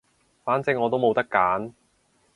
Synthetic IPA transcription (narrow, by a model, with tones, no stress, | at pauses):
faː˨˥nt͡sɪ˨˥ŋːɔː˨˧t̪̬o˥wmo˨wt̪ɐ˥kːaː˨˥n